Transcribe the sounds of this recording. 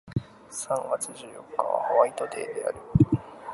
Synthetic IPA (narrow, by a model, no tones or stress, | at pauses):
sãŋɡat͡sɨʑɨːjo̞̰kːa̰βa̰haβait̪o̞t̪e̞ːd̪e̞a̰ɾɯ̟